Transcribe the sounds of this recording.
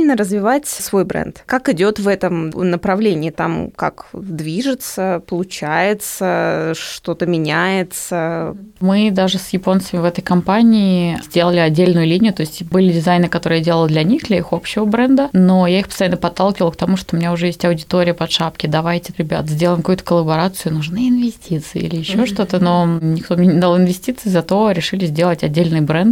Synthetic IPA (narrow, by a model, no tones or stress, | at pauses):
lʲnəɾəzvʲɪvatʲsvo̞jbɾɛ̰nt̪kakɪdʲo̞t̪vɛt̪əmnəpɾɐvlʲenʲɪːt̪a̰mka̰kd̪vʲiʐɨt̪səpəlˠʊt͡ɕæjɪt̪səʂt̪o̞t̪əmʲɪnʲæjɪt̪səmɨd̪aʐɨsjɪpo̞nsəmʲɪvɛt̪əjkɐmpanʲɪːzʲdʲelˠəlʲɪɐdʲːelʲnʊjʊlʲinʲɪjʊt̪o̞ɪsʲtʲbɨlʲɪdʲɪzajnɨkɐt̪o̞ɾɨjadʲe̞ləlˠd̪lʲɐnʲixd̪lʲɐixo̞pɕːɪvəbɾɛnd̪əno̞jaixpəst̪ɐjanːəpɐt̪ːalˠkʲɪvəlˠkt̪ɐmuʂt̪oʊmʲɪnʲaʊʐɛjesʲtʲɐʊdʲɪt̪o̞ɾʲɪjəpɐt̪ʂapkʲɪd̪ɐvajtʲɪɾʲɪbʲa̰t̪zʲdʲelˠəjɪmkɐkuːt̪ə̥kəlˠəbɐɾat̪sɨjʊnʊʐnɨɪnvʲɪsʲtʲit̪sɨɪ̰ḭlʲɪjɪɕːo̞ʂt̪o̞t̪əno̞nʲɪkt̪o̞mnʲenʲɪd̪alˠɪnvʲɪsʲtʲit̪sɨːzɐt̪o̞ɾʲɪʂɨlʲɪzʲdʲe̞lˠətʲɐdʲːelʲnɨjbɾɛnt̪